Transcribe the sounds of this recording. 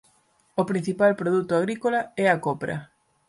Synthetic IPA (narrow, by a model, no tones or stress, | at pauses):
opɾin̟θipalpɾoðut̪ʊaɣɾikolaɛakopɾɐ̰